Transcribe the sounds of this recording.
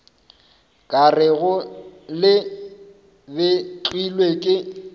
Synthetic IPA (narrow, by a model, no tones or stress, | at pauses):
kʼarɪɣʊlɪ | bɪt͡ɬwilwekʼɪ